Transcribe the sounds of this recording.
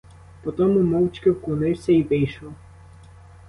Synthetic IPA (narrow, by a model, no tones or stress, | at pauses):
pɔt̪ɔmʊmɔwt͡ʃkɪwklˠɔnɪwsʲɐiʋɪjʃɔw